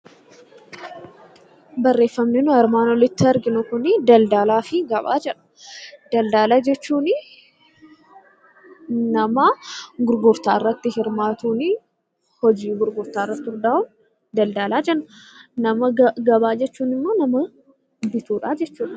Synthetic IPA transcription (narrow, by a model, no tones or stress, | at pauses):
bɐrːe̞ːfːɐmnɪnʊɐɾmaːnɔlɪt̪ːɪɐɾɡɪnʊkʊnɪd̪ɐld̪aːlaːfɪɡɐba̰ːd͡ʒɛᶑɐ̥d̪̥ɐld̪aːlaːd͡ʒɛt͡ʃːuːnɪ | nɐmaɡʊɾɡʊɾt̪aːɪrːɐt̪ːɪhɪɾmaːt̪uːnɪ | hɔd͡ʒiːɡʊɾɡʊɾt̪aːrːɐt̪ːʊɾd̪aːʊn | d̪ɐld̪aːlaːd͡ʒɛnːʊnɐmɐɡɐbaːd͡ʒɛt͡ʃːuːnɪmːo̞ːnɐmɐ | bɪt̪uːᶑaːd͡ʒɛt͡ʃːuːᶑɐ